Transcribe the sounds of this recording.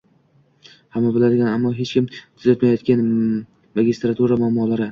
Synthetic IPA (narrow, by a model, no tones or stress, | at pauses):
hamːabɪlad̪ɪɡʲanamːɒɦet͡ʃkʲɪmt̪ʰʊzat̪majɒt̪kʲan | maɡʲɪst̪ɾat̪ʰuɾamamːɒlaɾɪ